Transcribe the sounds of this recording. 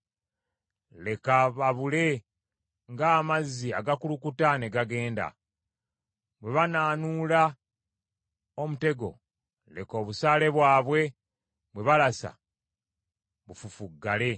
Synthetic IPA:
le̞kaβaβule̞ | ŋɡaːmazːiaɡakulukutane̞ɡaɡe̞ːnda̰ | βwe̞βanaːnuːla | omute̞ɡo̞̰ | le̞̰ko̞ːβusaːle̞βwaːβwe̞ | βwe̞βalasa̰ | βufufuɡːale̞

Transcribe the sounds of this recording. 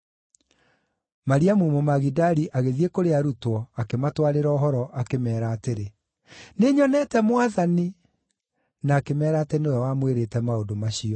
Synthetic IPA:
maɾiamumomaɣidaɾiʔaɣeðiekoɾeaɾutwɔakematwaɾeɾɔːɦɔɾɔʔakemɛːɾaːteɾe | neɲɔnɛtɛmowaðani | naːkemɛːɾatɛnowɛwamweɾetɛmaodomaɕiɔ

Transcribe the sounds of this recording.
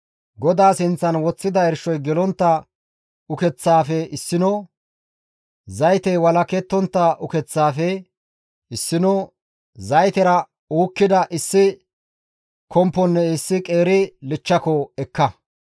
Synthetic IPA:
ɡɔd̪aːsɪnt͡sːɐnwɔt͡sːɪd̪ɐɛɾʃɔjɡɛlɔnt̪ːɐ | ʊkɛt͡sːaːfɛɪsːɪnɔ | zɐjt̪ɛwɐlɐkɛt̪ːɔnt̪ːɐʊkɛt͡sːaːfɛ | ɪsːɪnɔ | zɐjt̪ɛɾɐ | uːkːɪd̪ɐʔɪsːɪ | kʰɔmpːɔnːɛɪsːɪkʼeːɾɪlɪt͡ʃːɐkɔɛkːɐ

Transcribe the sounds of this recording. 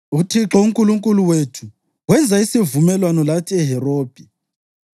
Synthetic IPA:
utʰiǁɔuŋkʼuluŋkʼuluwetʰu̥ | ɣwɛnd͡zʱaisivumɛlwanɔlatʰiɛɦɛroːb̥ʱi

